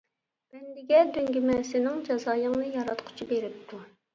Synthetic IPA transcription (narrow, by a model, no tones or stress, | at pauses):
mɛnd̪ɪɡʲɛd̪øŋɡʲimɛsɪnɪŋd͡ʒɑzɑːjɨŋnɨjɑɾɑt̪qʰʊ̥t͡ʃʰibeɾɪp̚t̪ʰu